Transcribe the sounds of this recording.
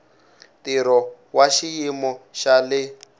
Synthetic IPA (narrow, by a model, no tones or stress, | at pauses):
tiɾɔ | waʃijimɔʃalɪ